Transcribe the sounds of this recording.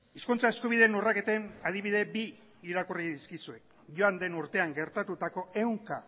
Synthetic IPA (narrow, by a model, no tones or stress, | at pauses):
iskunt͡sae̞skuβ̞iðenorake̞t̪enað̞iβ̞iðe̞biː | ɾakuriðiskisue̞k | ʝoand̪e̞nuɾt̪e̞aŋɡe̞ɾt̪at̪ut̪ako̞e̞wŋka